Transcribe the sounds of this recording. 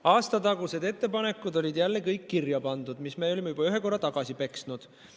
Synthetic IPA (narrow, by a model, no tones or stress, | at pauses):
ɑːst̪ɑt̪ɑɡuse̞d̪e̞t̪ːe̞pɑne̞kːˑud̪o̞lʲid̪jælːekɤjkːirjɑpɑnd̪̥ud̪̥mismeːo̞lʲimejub̥ɑyɦe̞ko̞rːɑt̪ɑɡ̥ɑsipe̞ksnud̪̥